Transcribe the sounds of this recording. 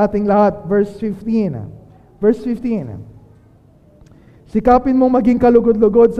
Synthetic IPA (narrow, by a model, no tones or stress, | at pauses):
at̪ɪŋlɐhat̪̚vɛɹsfɪft̪in | vɛɹsfɪft̪in | sɪkaːpɪnmoŋmɐɡiŋkɐlʊɡod̪lʊɡod̪̚s